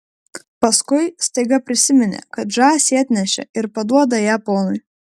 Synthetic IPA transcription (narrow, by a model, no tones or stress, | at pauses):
pɐskʊɪst̪ɐɪɡɐpʲɾʲɪsʲɪmʲɪnʲɛ̰kɐt̪ʒɑːsʲiɐt̪ʲnʲɛʃʲɛ̰ɪɾpɐd̪uɔd̪ɐjæːpoːnʊɪ